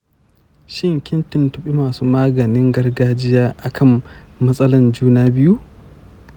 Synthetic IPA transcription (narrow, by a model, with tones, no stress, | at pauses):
ʃɪ˦ŋkʲɪ˦ntɪ˨ntʊ˨ɓi˦maː˨suː˦maː˦ɡɐ˨nɪ˦ŋɡɐ˦rɡaː˦d͡ʒɪ˦jaː˦ʔa˨kʰɐ˦m | mɐ˦sʼɐ˦lɐ˨nd͡ʒuː˦naː˦bɪ˦ju˦ʔ